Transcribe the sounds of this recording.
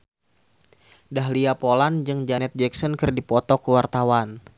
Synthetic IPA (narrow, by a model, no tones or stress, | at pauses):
dahliapoland͡ʒɨŋd͡ʒanɛt̪̚d͡ʒɛksɔnkɨrdipɔt̪ɔkəwart̪awan